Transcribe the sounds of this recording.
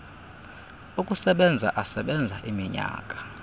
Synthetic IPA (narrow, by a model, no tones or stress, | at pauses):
ukʼusɛɓɛnd͡zʱa̰ʔasɛɓɛnd͡zʱaʔimiɲa̰ːkʼḁ